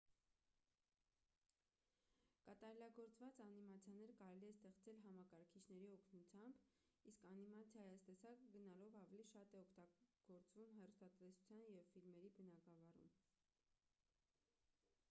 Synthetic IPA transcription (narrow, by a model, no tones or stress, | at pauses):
kɑt̪ɑɾɛlɑɡɔɾt͡svɑt͡sɑnimɑt͡sʰjɑnɛɾkɑɾɛliɛst̪ɛχt͡sɛlɦɑmɑkɑɾkʰit͡ʃʰnɛɾiɔkʰnut͡sʰjɑmbiskɑnimɑt͡sʰjɑjɑst̪ɛsɑkɡənɑlɔvɑvɛliʃɑt̪ɛɔkʰt̪ɑɡ̥ɔɾt͡svumɦɛrust̪ɑt̪ɛsu̥t͡sʰjɑnjɛvfilmɛɾibənɑɡɑvɑrṵm